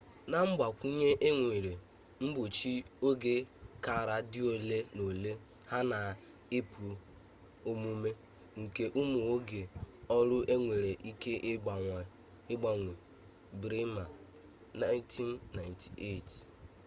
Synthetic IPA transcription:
na˨m̩˦ɡ͡ba˨kʷu˦ɲe˦ʔe˦ŋʷe˨ɾe˨ | m̩˦bʊ˨t͡ʃi˦o˦ɡe˦ka˨ɾa˦dɪ˦o˨le˦no˨le˦ha˦na˨ | e˦p | o˦mu˦me˦ | ŋ̩˨ke˦ʔu˦mu˨o˦ɡe˨ɔ˦ɾʊ˦ʔe˦ŋʷe˨ɾe˨ʔi˦ke˦ʔɡ͡ba˨ | ɪ˦ɡ͡ba˦ŋʷe˨ | bɾi˦ma˨ | na˦ɪ˦ntʰi˦nːa˨ɪ˨ntʰi̥˨e˦˨t

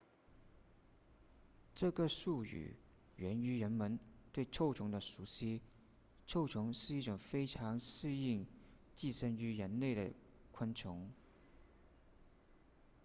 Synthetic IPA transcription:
ʈ͡ʂɤ˥˩ɡə˨˩ʂu˥˩y̰˨˩ | ɥɛ˧˥ny˧˥ɻə˧˥nmə˧˥nt̪we˥˧ɪʈ͡ʂʰo˥˩ʊʈ͡ʂʰʊ˧˥ŋd̪ə˧ʂu˧˥ɕi˥ | ʈ͡ʂʰo˥˧ʊʈ͡ʂʰʊ˧˥ŋʂɻ̩˥˧i˥˩ʈ͡ʂʊ˨˩ŋfe˥ɪʈ͡ʂʰɑ˧˥ŋʂɻ̩˥˧i˥˩˧ŋ | t͡ɕi˥˩ʂə˥ny˧˥ɻə˧˥nle˥˩ɪɾə̰˩ | kʰa˥nt͡ɕʰʊ˧˥ŋ

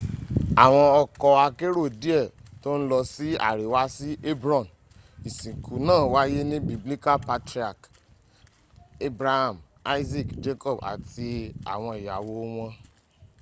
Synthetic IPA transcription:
a˨w̃ɔ̃˧ɔ˧kɔ˧a˧ke˦ɾo˦˨di˦ɛ˦˨to˦n̩˦lɔ˧si˦a̰˦˨ɾe˨wa˦si˦ʔe˦bɾɔ̃˦˨n | i˨sĩ˨ku˨˦nãː˦˨wa˦je˦nĩ˦bi˦bli˦ka˦˨pa˧tɾi˦a˨k | e˦bɾa˦ha˨m | a˦i˦zi˦˨kd͡ʒe˦kɔ˦˨ba̰˨tʰi˧a̰˨w̃ɔ̃˧i˨ja˨wo˧˦w̃ɔ̃˧

